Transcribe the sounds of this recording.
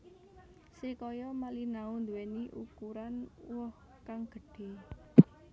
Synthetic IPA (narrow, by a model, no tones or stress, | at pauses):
sikɔjɔmalinaund̪uweniʔukuɾanwɔh | kaŋɡ̥ə̤ɖ̥e̤